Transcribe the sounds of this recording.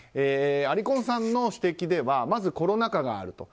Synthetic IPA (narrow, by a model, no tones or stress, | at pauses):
eːaɾʲikõ̞ɰ̃sãnːo̞ɕi̥t̪e̞kʲid̪e̞βamazɨko̞ɾo̞nakaɡa̰ːɾɯ̟t̪o̞̰